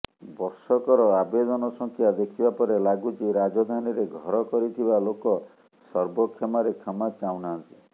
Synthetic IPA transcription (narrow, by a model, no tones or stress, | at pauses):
bɔɾsɔkɔɾɔabed̪ɔnɔsɔŋkʰjad̪ekʰibapɔɾelaɡut͡ʃiɾad͡ʒɔd̪ʱaniɾeɡʱɔɾɔkɔɾit̪ʰibalokɔ | sɔɾbɔkʰːamaɾekʰɔmat͡ʃawnaːnt̪i̥